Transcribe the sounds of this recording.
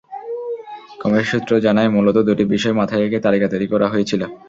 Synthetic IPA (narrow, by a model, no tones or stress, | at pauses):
kɔmeʃut̪ːɾod͡ʑanaemulot̪od̪uʈibiʃɔemat̪ʰaeeket̪alikat̪oeɾikɔɾaɦojet͡ɕʰilo